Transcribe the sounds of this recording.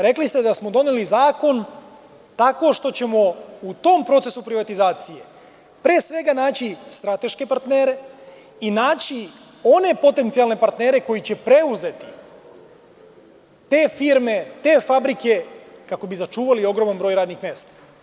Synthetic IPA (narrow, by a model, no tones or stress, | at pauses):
ɾe̞klist̪ed̪asmo̞d̪o̞nelizaːko̞n | t̪ako̞ʃt̪o̞t͡ɕe̞mo̞ut̪o̞mpɾo̞t̪sesupɾiʋat̪izaːt̪sije̞ | pɾeːsʋe̞ɡanaːt͡ɕist̪ɾat̪e̞ʃke̞paɾt̪ne̞ːɾe̞ | inaːt͡ɕi | o̞ne̞po̞t̪e̞nt̪sialne̞paɾt̪ne̞ːɾe̞ko̞jit͡ɕe̞pɾe̞uze̞t̪i̥ | t̪e̞ːfiɾme̞t̪eːfabɾike̞kako̞bizat͡ʃuːʋalio̞ɡɾo̞manbɾo̞jɾaːd̪nixmjeːst̪ḁ